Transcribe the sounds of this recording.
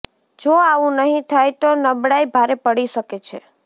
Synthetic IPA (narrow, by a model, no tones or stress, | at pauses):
d͡ʒoaʋũnəɦĩt̪ʰajt̪onəbɽajbʱaɾepəɽiʃəket͡ʃʰe